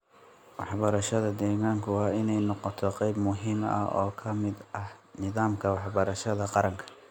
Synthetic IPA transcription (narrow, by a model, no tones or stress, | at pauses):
wɑħbɐɾɐʃɐðɐd̪ɛːɣaːŋkʰʊwɑːɪnɛjnɔqɔt̪ʰɔqɛjbmʊɦiːmɐ̰hɔ̰ːkʰɐmɪd̪ʔɐhnɪðaːmkʰɐwɑħbɐɾɐʃɐðɐqɑɾɐŋkʰɐ̥